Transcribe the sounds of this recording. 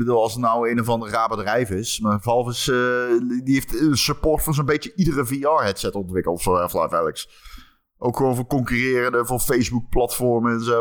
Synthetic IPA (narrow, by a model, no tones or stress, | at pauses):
bəduːlˠɑlˠsənawejnovɑndərraːbədrɛjfɪsmavɑlˠfəs | diejftəənsøportfʊːnzonbejtjəʔidərəviɑɹɦɛtsɛtɔntʋɪkəlˠtɔfsoɛfla̰jfɛləks | ʔowkxəʋoːnvʊːɹkɔŋkyrɪːrə̃ndəvʊːfejzbuk̚plɑtfɔɹməɛnzo